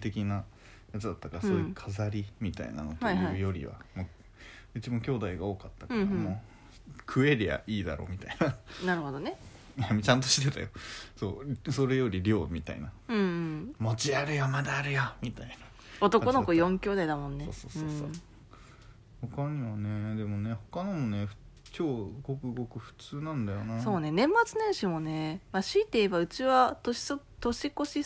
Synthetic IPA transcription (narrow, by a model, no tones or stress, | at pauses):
t̪e̞kʲina | jat͡sɨd̪at̪ːakaɾassoːjɯkʰazaɾʲimʲit̪a̰ḭna̰not̪iaɯjo̞ɾʲḭβa̰moː | ɯ̟t͡ɕibãŋkʲo̞ːd̪aiɡao̞ːkat̪ːakaɾamo | kʰɯ̟e̞ɾija̰ʔiːd̪a̰ɾo̞̰ːmʲit̪ainanaɾɯ̟ho̞d̪one | jamt͡ɕãnt̪o̞ɕi̥t̪ːet̪a̰jo̞so̞̰ːso̞ɾe̞jo̞ɾʲiɾʲo̞ːmʲit̪a̰ḭnaɯ̃mo̞t͡ɕiaɾɯ̟jomad̪aːɾɯ̟jomʲit̪aina | o̞t̪o̞ko̞no̞kojõ̞ŋkʲo̞ːd̪aid̪amõ̞nːeoːsoːɯõːs | hokaɲ̟iβane̞d̪e̞mo̞ne̞ho̞kanomone̞ɸɯ̟̥ | t͡ɕo̞ːɯɡo̞kɯ̟ɡo̞kɯ̟ɸɯ̟̥t͡sɨːnãnd̪ajo̞naso̞ːne̞nẽ̞mːat͡sɨnẽɰ̃ɕimo̞ne̞maɕiːt̪eebaɯ̟t͡ɕiβat̪oɕi̥so | t̪o̞ɕiko̞ɕi